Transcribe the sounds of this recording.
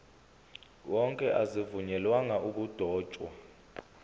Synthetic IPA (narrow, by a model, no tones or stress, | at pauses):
wɔŋkʼɛʔazivuɲɛlwaŋaʔuk̬ʼud̥ʱɔːt͡ʃʼwa̰